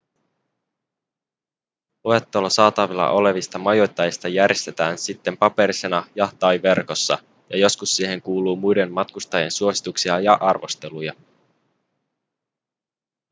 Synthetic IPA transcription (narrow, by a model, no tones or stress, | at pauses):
oet̪ːolosɑːt̪ɑʋilːɑ̰ʔo̞le̞ʋist̪ɑmɑjo̞jt̪ːɑjist̪ɑjærjest̪e̞t̪æːnsit̪ːe̞mpɑpe̞ɾise̞nɑjɑt̪ɑjʋe̞rko̞sːɑ̰ | jɑjo̞skusːiːɦe̞ŋkuːluːmujde̞nmɑt̪kust̪ɑje̞nsuo̞si̥t̪uksiɑjɑʔɑrʋo̞̰st̪e̞lujɑ